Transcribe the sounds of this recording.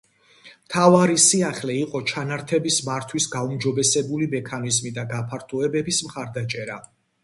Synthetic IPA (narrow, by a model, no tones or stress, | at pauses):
mt̪ʰavaɾisiaχlɛiqʼɔt͡ʃʰanaɾt̪ʰɛbismaɾt̪ʰwisɡaumd͡ʒɔbɛsɛbulimɛkʰanizmid̪aɡapʰaɾt̪ʰuɛbɛbismχaɾd̪at͡ʃʼɛɾa